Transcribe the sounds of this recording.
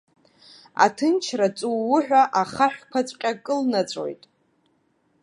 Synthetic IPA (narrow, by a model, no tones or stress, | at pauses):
a̰tʰɨnt͡ʃʰrat͡sʼuwːʊħᶣʷaʔaχaħᶣʷkʷʰat͡sʷʼqʲʼakʼɨlnat͡ɕʷʼo̰jtʼ